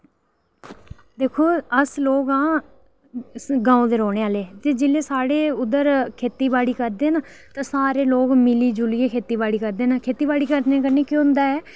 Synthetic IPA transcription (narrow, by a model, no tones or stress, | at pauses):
d̪eːkʰoːəsloːɡãː | ɡãːõːd̪eːɾoːɽeːaːleːt̪eːd͡ʒɪleːsaːɽeːʊd̪əɾkʰeːt̪iːbaːɽiːkəɾd̪eːnaː | t̪ãːsaːɾeːloːɡmɪliːd͡ʒʊliːeːkʰeːt̪iːbaːɽiːkəɾd̪eːnaːkʰeːt̪iːbaːɽiːkəɾẽːkəɾneːkɪʊ̃nd̪aːɛː